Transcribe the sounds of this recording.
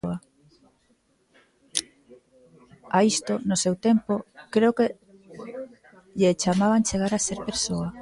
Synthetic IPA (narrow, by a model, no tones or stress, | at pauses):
a | aist̪onosewt̪empokɾeoke | ʎet͡ʃamaβant͡ʃeɣ̞aɾaseɾpeɾsoa